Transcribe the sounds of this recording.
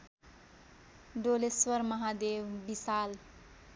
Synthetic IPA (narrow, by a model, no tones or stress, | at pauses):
ɖoleswʌɾmʌɦad̪ewbisal